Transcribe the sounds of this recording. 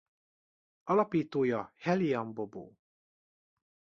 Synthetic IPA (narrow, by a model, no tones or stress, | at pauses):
ɒlɒpiːt̪oːjɒhɛliɒmbobo̰ː